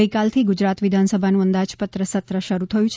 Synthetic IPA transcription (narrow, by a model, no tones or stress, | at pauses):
əjkalt̪ʰiɡud͡ʒɾat̪ʋɪd̪ʱansəbʱanũənd̪ad͡ʒpət̪ɾəsət̪ɾəʃəɾut̪ʰəjũt͡ʃʰ